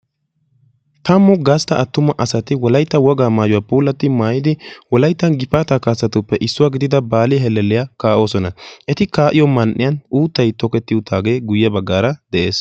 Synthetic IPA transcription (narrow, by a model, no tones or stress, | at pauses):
t̪ɐmːɔɡast̪ɐɐt̪ːʊmɐʔɐsɐt̪ɪwɔlɐjt̪ːɐwɔɡaːmaːjʊwaːpuːlːɐt̪ːɪmaːjɪd̪ɪwɔlɐjt̪ːɐnɡɪpːaːt̪aːkaːsːɐt̪ʊpːɛʔɪsːʊwaːɡɪd̪ɪd̪ɐbaːlɪɦɛlːɛlːɪjakaːʔo̞ːsɔnɐʔɛt̪ɪkaːʔɪjɔmɐnʔɪjɐnuːt̪ːɐjt̪ɔkɛt̪ːɪʊt̪ʰaːɡe̞ːɡʊjːɛbɐɡːaːɾɐd̪ɛʔe̞ːs